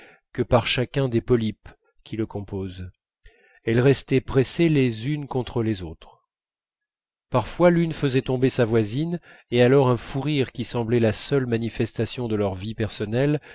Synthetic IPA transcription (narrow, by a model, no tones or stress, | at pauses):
kəpaʁʃakʲɛ̃d̪epɔlip | kʲʰiləkɔ̃poz | ɛlʁɛst̪ɛpχeselezynkɔ̃t̪χəlezot̪χ | paʁfwalynfəzɛt̪ɔ̃besavwazinealɔʁɛ̃fuʁiʁkʲisɑ̃blɛlasœlmanifɛst̪asjɔ̃d̪əlœʁvipɛʁsɔnɛl